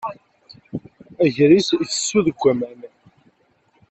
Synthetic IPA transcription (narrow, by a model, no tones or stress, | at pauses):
æʝɾiθθə̥sːuðɡʷːæmæn